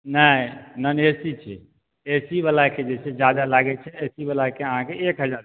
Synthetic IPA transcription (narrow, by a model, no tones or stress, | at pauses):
nəjnənesit͡ʃʰɛ̰ | esibəlaked͡ʒet͡ʃʰed͡ʒad̪alaɡɛt͡ʃʰɛesibəlakeəɦãkeekɦəd͡ʒaɾ